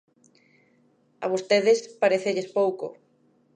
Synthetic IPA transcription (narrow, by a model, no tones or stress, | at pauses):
ɐβ̞ost̪eðɪspaɾeθeʎespowko̰